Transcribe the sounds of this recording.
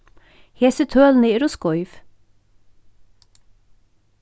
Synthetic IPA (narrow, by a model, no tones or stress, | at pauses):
hesət̪ʰøːln̩eɾʊskɔʏʋ